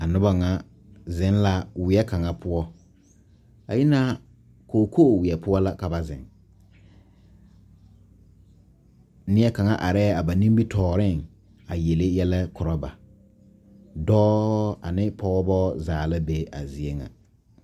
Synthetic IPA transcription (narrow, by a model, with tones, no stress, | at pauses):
a˨nʊ˦ba˦ŋa˦ | zɪ̃˦n˦la˦wɪ˨ɛ˦ka˨ŋa˦pʊ˦ɔ˦ | a˨jɪ˦na˦ | koː˨kʰo˦˨wɪ˨ɛ˨pʊ˦ɔ˦la˦ka˨ba˨zɪ̰˨ŋ | nɪ˦ɛ˦ka˨ŋa˦ʔa˨ɾɛ˦a˨ba˨nĩ˦mbi˦tʰɔː˨ɾɪ˦˨ŋ | a˨je˨lɪ˦jɛ˦lɛ˦kʰʊ˨ɾɔ˦ba̰˨ | dɔː˦a̰˨nɪ˦pʰɔ˦bɔː˦zaː˨la˦be˨˦ʔa̰˨zi˨e˦ŋa̰˨